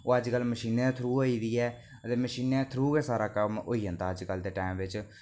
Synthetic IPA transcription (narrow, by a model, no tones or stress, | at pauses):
oːəd͡ʒkəlməʃiːnẽːt̪ʰɾuːoːiːd̪iːɛː | ət̪eːməʃiːnɛ̃ːt̪ʰɾuːkeːsaːɾaːkəmoːiːə̃nd̪aːəd͡ʒkəld̪eːʈaːmʋɪt͡ʃ